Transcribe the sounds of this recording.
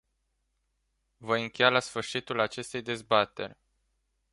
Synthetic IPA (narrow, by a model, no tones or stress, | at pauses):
vəɨŋkʲejalasfɨrʃit̪ulat͡ʃe̞st̪e̞jd̪e̞zbat̪e̞̰rʲ